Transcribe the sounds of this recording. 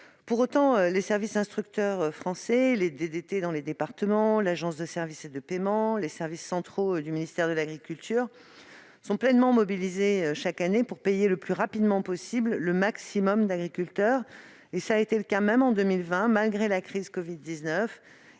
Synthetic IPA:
puʁot̪ɑ̃ølesɛʁvisɛ̃st̪χyk̚t̪œʁøfχɑ̃sɛled̪ed̪et̪ed̪ɑ̃led̪epaʁt̪əmɑ̃laʒɑ̃s̬d̪əsɛʁvised̪əpemɑ̃lesɛʁvisːɑ̃t̪χod̪yminist̪ɛʁd̪əlaɡʁikʲylt̪ʰyːʁ | sɔ̃plɛnmɑ̃mɔbilizeøʃakanepuʁpejeləplyʁapid̪mɑ̃pɔsiblləmaksimɔmd̪aɡʁikʲylt̪œːʁ | esaːet̪eləkamɛmɑ̃d̪ømilvɛ̃malɡʁelakχizkɔvid̪ːiznœf

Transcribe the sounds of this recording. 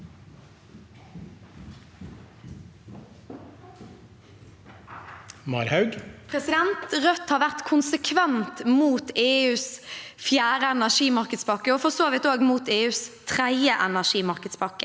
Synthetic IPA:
mɑɾhɑʉɡpʰʁɛsɪd̪ɛnt̪ʁœt̪hɑːʁʋæʁt̪kʰʊnsəkʰʋɛnt̪muːt̪eːʉːsfjæːʁəɛnæʂiːmɑʁkəd̪spɑkːəɔfɔsoːʋɪt̪oːɡmuːt̪eːʉːst̪ʰʁæəʔɛnæʂiːmɑʁkəd̪spʰɑkːə

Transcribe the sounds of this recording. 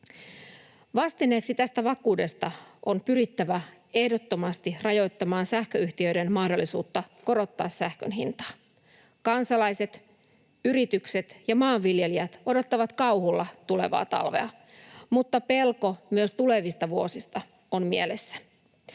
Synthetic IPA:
ʋɑst̪ineksit̪æst̪æʋɑkuːde̞st̪ɑʔo̞npyɾit̪ːæʋæe̞hdo̞t̪ːomɑst̪irɑjo̞jt̪ːɑmɑːnsæhkøyht̪iø̞jde̞nmɑhdo̞lːisṵːt̪ːɑko̞ɾo̞t̪ːɑːsːæhkø̰nɦḭnt̪ɑ̥ː | kɑnsɑlɑjse̞t̪ | yɾit̪ykse̞t̪jɑmɑːʋʋilje̞liæt̪o̞do̞t̪ːɑʋɑt̪kɑwhulːɑt̪ule̞̰ʋɑ̰ːt̪ɑ̰lʋe̞̰ɑ | mut̪ːɑpe̞lko̞myøst̪ule̞ʋist̪ɑʋuo̞sist̪ɑ | o̞nmie̞le̞sːæ̥

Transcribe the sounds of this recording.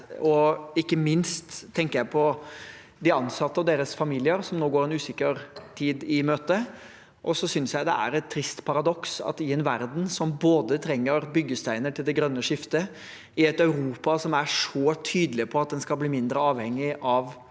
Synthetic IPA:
ɔɪkːəmɪnst̪ʰːɛŋkəɾjæɪpʰɔ | d̪ɪɑnsɑt̪ːəɑʋd̪eːɾəsfɑmiːlɪəɾsɔmnoːɡoːɾɛnʉːsɪkəɾt̪ʰiːd̪ɪmøːt̪ə | ʔɔsɔsʏnsjæɪd̪ɛ̰æ̰ɾɛt̪ʰːɾɪst̪pʰɑɾɑd̪ɔksɑ̰t̪ɪɛnʋæɾd̪n̩sɔmboːd̪ət̪ʰɾɛŋːəɾbʏɡːəst̪æɪnəʈʰɪld̪ɛɡɾœnːəʂɪft̪ə | ɪɛt̪œʉɾuːpɑsɔmæʂɔt̪ʰyːd̪əlɪpʰɔɑt̪̚d̪ɛnskɑlbliːmɪnd̪ɾəɑːʋhɛŋːɪʔɑʋ

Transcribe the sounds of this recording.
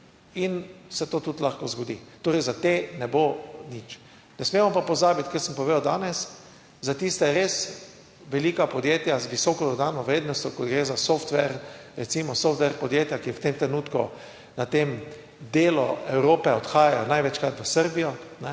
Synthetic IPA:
insɛt̪oːt̪ut̪laxkɔzɡɔd̪ḭt̪oːɾɛjzat̪enɛbonit͡ʃ | nɛsmeːmɔpapɔzaːbit̪kɛɾsəmpɔʋed̪ʊd̪aːnɛs | zat̪ist̪ɛɾeːs | ʋɛliːkapɔd̪jeːt̪jazʋisɔkɔd̪ɔd̪aːnɔʋɾeːd̪nɔst̪ʲjɔkɔd̪ɡɾeːzasɔft̪ʋɛɾɾɛt̪siːmɔsɔft̪ʋɛɾpɔd̪jeːt̪jakiwt̪emt̪ɾɛnuːt̪kṵ | nat̪em | d̪eːlɔ̰ɛwɾoːpɛɔt̪xaːjajɔnajʋɛt͡ʃkɾat̪ʋəsəɾbijɔnɛ

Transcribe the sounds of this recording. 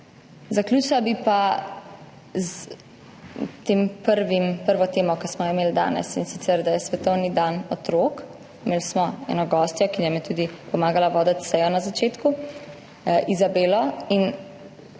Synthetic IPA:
zakluːt͡ʃlabipa | z | t̪eːmpəɾʋimpəɾʋɔt̪eːmɔkasmɔjimeːld̪a̰ːnɛ̰sinsit̪sɛɾd̪ajɛsʋɛt̪ɔwnid̪anɔt̪ɾoːk | meːlsmɔɛ̰nɔɡɔːst̪jɔkijɛmɛt̪uːd̪ipɔmaːɡalaʋɔːd̪ət̪sɛjɔnazat͡ʃeːt̪ku | ʔizabeːlɔin

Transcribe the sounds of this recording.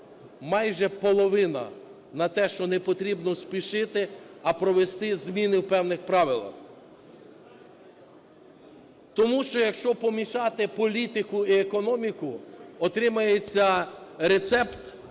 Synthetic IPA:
mɑjʒɛpɔlˠɔʋɪnɐ̰ | nɐt̪ɛʃt͡ʃɔnɛpɔt̪ɾʲibnɔspʲiʃɪt̪ɪɐpɾɔʋest̪ɪzmʲinɪwpɛwnɪxpɾɑʋɪlˠɐ̰x | t̪ɔmuʃt͡ʃɔjɐkʃt͡ʃɔpɔmʲiʃɑt̪ɪpɔlʲit̪ɪkʊiekɔnɔmʲikʊɔt̪ɾɪmɐjet͡sʲːɐɾet̪sɛpt̪

